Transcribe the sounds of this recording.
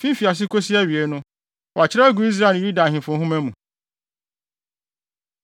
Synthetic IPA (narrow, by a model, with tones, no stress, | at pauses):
fĩ˦fi˨a˨s̬ɪ˦kʰo˦si˦æ˦˨ɥi˨e˦nʊ̃˦ | wɔ˨a˨t͡ɕʰɪ˦ɾa˦ɡu˨i˦s̬ɾã˦˨˦ɾu˦dã˨ɦɪ̃˨fʊ̃˨˦ɦʊ̃˦mæ̃˦mũ˨